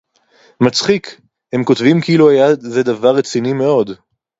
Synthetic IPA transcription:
mat͡sχik | he̞mkotvimkiiluajazed̪avaʁːet͡sinime̞o̞d̪

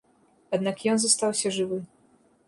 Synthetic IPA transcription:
ad̪nakjɔnzɔst̪awɕɛʐɨvɘ

